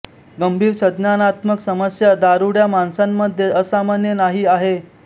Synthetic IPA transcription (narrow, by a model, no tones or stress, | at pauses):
ɡəmbʱiːɾsəd̪nanat̪məksəməsjad̪aɾuɽjamansamːəd̪ʱjeʔəsamanjənaɦiːaɦe